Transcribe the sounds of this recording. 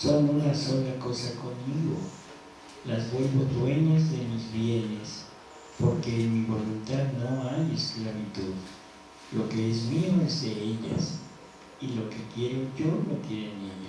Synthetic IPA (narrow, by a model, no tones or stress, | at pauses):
so̞nunaso̞nlako̞sako̞nmiɣo̞ | lazβwe̞lβod̪we̞ɲazðe̞mizβje̞ne̞s | po̞ɾke̞enmiβo̞lunt̪aðno̞ajesklaβit̪uð | lo̞ke̞ezmioezðe̞eʎa̰s | ilo̞ke̞kje̞ɾenʝo̞lokje̞ɾeneʎa